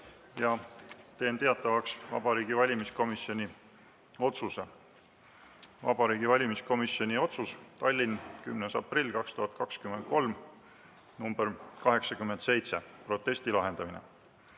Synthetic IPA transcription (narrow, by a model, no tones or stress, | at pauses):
jɑt̪e̞ːnt̪e̞ɑt̪ːˑɑvɑksvɑ̰bɑɾiːɡ̥ivɑlʲimisko̞misio̞nʲi | o̞t̪suse | vɑ̰b̥ɑɾiːɡivɑlʲimisko̞misjo̞nʲio̞t̪sust̪ɑlʲːinkymnesɑ̰prilʲːkɑkst̪uɦɑt̪̚kɑkskymed̪̚ko̞lm | numb̥eɾkɑɦe̞ksɑkymːe̞nd̪se̞jt̪se̞pro̞t̪ˑːe̞sʲt̪ilɑɦe̞nd̪̥ɑminḛ